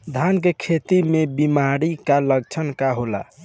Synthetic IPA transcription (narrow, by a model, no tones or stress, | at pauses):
d̪ʱankekʰet̪imebimaɾikaləɡt͡ʃʰənkaɦola̰